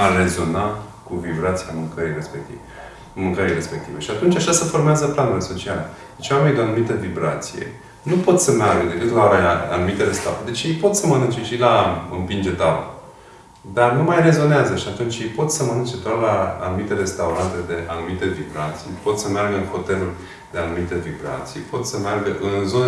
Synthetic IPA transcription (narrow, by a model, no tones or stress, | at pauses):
are̞zo̞na | kuvibɾat̪siamuŋkəɾijrespek̚t̪iv | muŋkəɾijre̞spe̞k̚t̪ive̞ʃiat̪unt͡ʃaʃasəfo̞rmeazəplanuleso̞t͡ʃiale | d̪et͡ʃwame̞nid̪eanumit̪əvibɾat̪sijḛ | nupo̞t̪səmearɡəd̪ekɨnd̪laa̰numit̪elest̪a̰ṵd̪e̞t͡ʃjejpo̞t̪səmənɨnt͡ʃeʃilaɨmpind͡ʒet̪avə̰ | d̪arnumajre̞zo̞neazəʃiat̪unt͡ʃjejpo̞t̪səmənɨnt͡ʃet̪oat̪laːnumit̪eɾe̞st̪auɾant̪e̞d̪e̞ʔanumit̪e̞vibɾat̪sijpo̞t̪səmearɡəɨnxo̞t̪e̞lulʲ | d̪e̞anumit̪evibɾa̰t̪sijpo̞t̪səmearɡəʔɨnzon